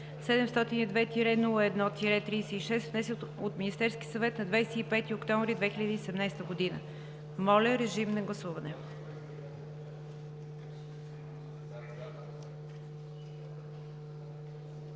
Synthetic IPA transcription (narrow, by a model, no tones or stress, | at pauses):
sɛd̪ɛmst̪ɔt̪inid̪vɛt̪iɾɛnulˠəɛd̪nɔt̪iɾɛt̪ɾijsɛiʃɛst̪vnɛsot̪minist̪ɛɾskʲisɐvɛt̪nɐd̪vajsɛipɛt̪iokt̪ɔ̃ɱvɾid̪vɛxilʲəd̪iːsɛmnajst̪əɡʊd̪inə̰ | mɔlʲɛɾɛʒimnɐɡlˠɐsuvɐnɛ